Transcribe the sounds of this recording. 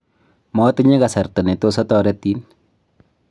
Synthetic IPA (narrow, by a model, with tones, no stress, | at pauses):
mɔtɪɲe˦ka˨sa˨rta˨ne˨tosɔ˦tɔɾɛti˦n